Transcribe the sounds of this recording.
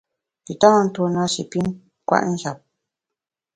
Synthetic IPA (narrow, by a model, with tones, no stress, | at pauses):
pi˨tã˦n̩˦tu˦na˦ʃḭ˨pi˦n | kwa̰˦ʔn̩˦ʃja˨p̚